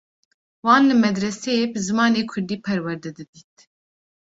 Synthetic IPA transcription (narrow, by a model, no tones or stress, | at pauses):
wɑːnlɨmɛd̪ɾɛsɛjeːbɨzɨmɑːneːkʰʊɾd̪iːpʰɛɾwɛɾd̪ɛd̪ɨd̪iːt̪̚